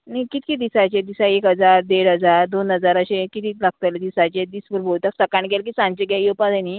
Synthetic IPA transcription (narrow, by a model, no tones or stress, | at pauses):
nikit̪kid̪isat͡ɕed̪isaekɦəd͡zaɾd̪eɽɦəd͡zaɾd̪onɦəd͡zaɾəɕẽkit̪iːlaɡ̚t̪aled̪isat͡ɕed̪isbəɾbolt̪aksəkaɳɡelk̬isãnt͡ɕeɡjajowpad͡zani